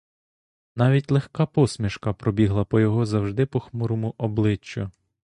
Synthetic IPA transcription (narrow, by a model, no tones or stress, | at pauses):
nɑʋʲitʲlˠexkɑpɔsmʲiʃkɐpɾɔbʲiɦlˠɐpɔjɔɦɔzɐwʒd̪ɪpɔxmuɾɔmʊʔɔblˠɪt͡ʃːʊ